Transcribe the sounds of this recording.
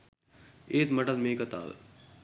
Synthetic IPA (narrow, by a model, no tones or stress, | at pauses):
eːt̪mɐʈɐt̪meːkɐt̪a̰ːl